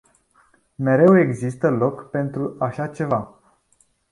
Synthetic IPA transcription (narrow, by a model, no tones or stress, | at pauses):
me̞ɾe̞we̞ɡzist̪əlo̞kpe̞nt̪ɾuaʃat͡ʃe̞va